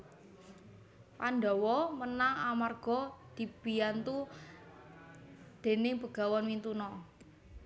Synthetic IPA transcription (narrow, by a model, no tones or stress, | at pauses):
pandɔwɔmənaŋamarɡ̥ɔ̤d̪̥i̤b̥ijant̪u | d̪̥e̤nɪŋpəɡ̥a̤wɔnwint̪unɔ